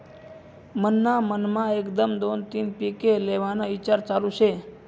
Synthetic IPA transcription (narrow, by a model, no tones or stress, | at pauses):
mənːamənmãekd̪əmd̪ont̪inpikeleʋanoit͡ʃaɾt͡ʃalũt͡ʃʰe